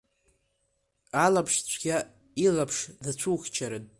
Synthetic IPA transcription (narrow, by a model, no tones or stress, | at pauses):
alapʰʂt͡ɕʷʰɡ̥ʲa | ilapʰʂzat͡ɕʷʰuxʲt͡ʃʰaɾɨdʼ